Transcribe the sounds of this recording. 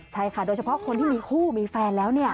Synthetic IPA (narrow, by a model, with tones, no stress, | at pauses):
t͡ɕʰa˥˩jkʰa˥˩doː˧jt͡ɕa˧pʰɔ˦˥ʔkʰo˧nt̪ʰiː˥˩miː˧kʰuː˥˩miː˧fɛː˧nlɛː˦˥wni˥˩ɐ